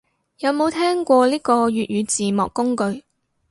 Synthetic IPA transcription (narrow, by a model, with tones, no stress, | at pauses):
jɐ˨˧wmo˨˧wt̪ʰɛː˥ŋkʷɔː˧liː˥kɔː˧jyː˨t̚ɥyː˨˧t͡siː˨mɔ̰ː˨kːʊ˥ŋkɵ˧ɥ